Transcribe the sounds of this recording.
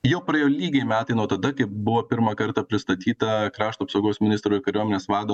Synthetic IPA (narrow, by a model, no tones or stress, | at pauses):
jɛʊpɾɐjoːlʲiːɡʲɛɪmʲæːt̪ɐɪnuɔt̪ɐd̪ɐkɐɪpbʊʋoːpʲɪɾmɐkɐɾt̪ɐpʲɾʲɪst̪ɐt̪ʲiːt̪ɐkɾɑːʃt̪uːɐpsɐʊɡoːsmʲɪnʲɪst̪ɾoːɪkɐɾʲuɔmʲenʲeːsʋɑːd̪oː